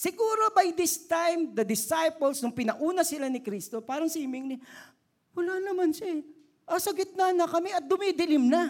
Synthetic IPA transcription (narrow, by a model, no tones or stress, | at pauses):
sɪɡuːɾo̞bɐjd̪ɪst̪ajmd̪ɐd̪ɪsajpolsnʊŋpɪnɐʔuːnɐsɪlanɪkɾist̪opaːɾɐŋsiːmɪŋnɪ | wɐlanɐmanʃɛ | ʔɐsɐɡɪt̪̚nanɐkɐmɛɐt̪̚d̪ʊmid̪ɪlɪmnɐ